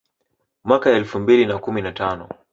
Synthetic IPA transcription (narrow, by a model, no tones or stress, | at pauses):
mwakaɛlfumbilinakuminatanɔ